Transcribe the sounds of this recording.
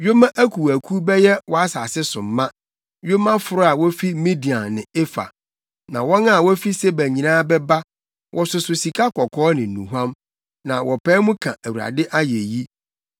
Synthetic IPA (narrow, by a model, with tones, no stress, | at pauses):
jo˦mã˦ʔæ˦kʰu˨æ˨kʰu˦bɛ˦jɛ˦wɔ˨a˦sa˨sɪ˦sʊ̃˨mː˦ã˦ | jo˦mã˦fʊ˨ɾʊ˦a˨wɔ˦fi˦mĩ˦di˨a˨nnɪ̃˨e˦fa̰˨ | nã˨wɔ̃˦nã˦˨wɔ˦fi˦sɛ˦bæ˨ɲĩ˨nãː˦bɛ˦ba˦ | wʔɔ˨sʊ˨sʊ˨si˨kʰa˦kʰɔ˨kʰɔː˦nɪ̃˨n̩˨nṵ̃˨ɦã˦m | nã˨wɔ˨pʰɛː˦mʊ̃˦kʰã˨ʔæ˨wu˨ɾa̰˨dɪ˦ʔa˦jɛ˨ji˦